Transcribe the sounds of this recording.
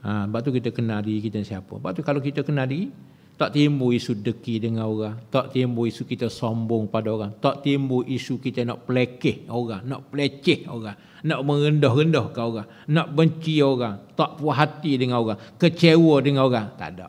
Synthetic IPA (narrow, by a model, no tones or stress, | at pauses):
əbaʔ̚t̪ukit̪əkənadiikit̪ənsiapə̰baʔ̚t̪ukalokit̪əkənadii | t̪ɔʔt̪imbuisudəkidəŋanoɾaŋt̪ɔʔt̪imbuisukit̪əsombʊŋəpadaoɾaŋt̪ɔʔt̪imbuʔisukit̪ənɔʔpəlekɪhoɾaŋnɔʔpəlet͡ʃɪho̰ɣaŋ | nɔʔməɾəndɔhrəndɔhkaoɾaŋ | nɔʔbəɲt͡ʃioɾaŋt̪ɔʔpuwaɦat̪idəŋanoɣaŋkət͡ʃewədəŋanoɾaŋt̪a̰da̰ʔ